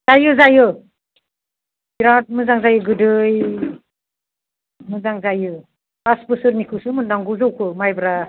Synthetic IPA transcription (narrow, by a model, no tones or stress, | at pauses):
zajɯzajɯ | biɾat̚mɯzaŋzajɯɡɯdɯj | mɯzaŋzajɯ | kaspɯsɯɾnikʰɯwsɯmɯndaŋɡɯzɯwkʰɯmajbɾa